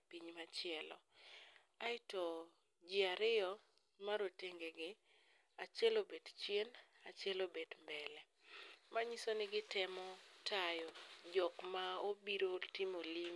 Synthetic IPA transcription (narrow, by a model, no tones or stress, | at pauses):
piɲmat͡ʃɪɛlɔ̰ | aɪtɔ | d͡ʒiaɾɪɔ | maɾoteŋɡeɡɪ | at͡ʃɛlobedt͡ʃjenat͡ʃjɛlobedmbɛlɛ | maɲisonɪɡɪtɪmɔtajɔd͡ʒɔkmaobiɾoltɪmolim